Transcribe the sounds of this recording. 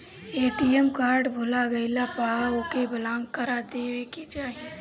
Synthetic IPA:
eːʈiɛmkaːɾɖbʱoːlaɡɐɪlapaokebɐlãːŋɡkəɾad̪eːwekid͡ʒaːi

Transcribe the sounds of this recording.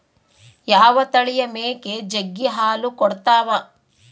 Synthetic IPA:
jaːʋɐt̪ɐɭijɐmeːked͡ʒeɡːiɦaːlukɔɽt̪aːʋɐ

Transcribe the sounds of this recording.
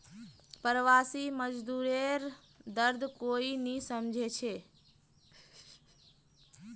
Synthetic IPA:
pəɾəʋasiməd͡ʒd̪uɾeɾ | d̪əɾd̪ʱkoinisəmd͡ʒʱet͡ʃʰe

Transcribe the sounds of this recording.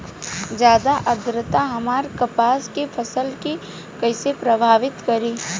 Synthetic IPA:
d͡ʒjaːd̪aʔəd̪ɾət̪aɦɐmaːɾkɐpaːskefʰɐsəlki | kɐɪsepɾɐbʱaːʋɪt̪kɐɾiː

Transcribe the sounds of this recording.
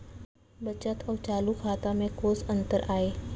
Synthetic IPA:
bət͡ʃət̪ɔːɾt͡ʃaːlukʰaːt̪amẽkoːzə̃nt̪əɾaːeː

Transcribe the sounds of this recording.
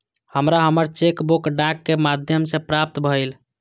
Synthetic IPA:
həmɾaɦəməɾt͡ʃekbokɖãkːemad̪ʱjəmsepɾap̚t̪bʱəjl

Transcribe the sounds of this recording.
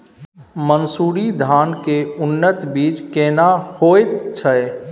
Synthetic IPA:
mənsuɾid̪ʱankeunːət̪biːd͡ʒkenahojt̪t͡ʃʰəj

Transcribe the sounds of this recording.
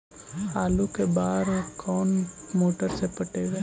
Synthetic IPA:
aːlukebaːɾkʰɔːnmoːʈəɾsepəʈeːɡa

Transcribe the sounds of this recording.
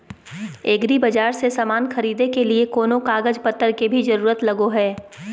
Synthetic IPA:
eːɡɾibɐd͡ʒaːɾsesamaːnxɐɾiːd̪ekeliekoːnõkaːɡəd͡ʒpɐt̪ːəɾkebʱizɐɾuːɾət̪lɐɡoɦɛː

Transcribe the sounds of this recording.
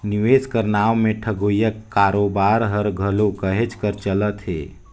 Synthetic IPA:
nɪʋeːskəɾnaːʋmẽʈʰəɡojəkːaːɾoːbaːɾɦəɾɡʱəlokəɦet͡ʃkəɾt͡ʃələt̪ɦḛː

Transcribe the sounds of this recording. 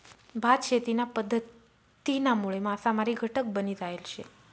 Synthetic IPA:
bʱad̪ʃet̪inapəd̪ʱːət̪ː | inamuɭemãːsamaɾiɡʱəʈək̚bənit̪aelʃʰḛ

